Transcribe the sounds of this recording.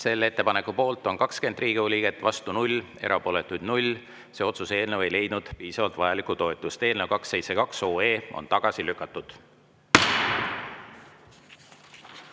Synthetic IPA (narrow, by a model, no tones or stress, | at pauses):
se̞lːe̞t̪ːe̞pɑne̞kːˑupo̞ːlt̪ːˑo̞nkɑkske̞nd̪riːɡ̥iolʲiɡe̞t̪ːˑvɑst̪unulʲ | e̞̰ɾɑpo̞le̞t̪ːˑujd̪nulʲ | se̞o̞t̪suse̞ːlnewe̞jle̞jd̪̚nud̪̥piːsɑvɑlt̪vɑjɑlikːˑut̪o̞et̪ˑust̪e̞ːlnewkɑksːe̞jtse̞kɑkso̞ːe̞ːo̰nt̪ɑɡ̥ɑsilykːˑɑt̪ːˑud̪̥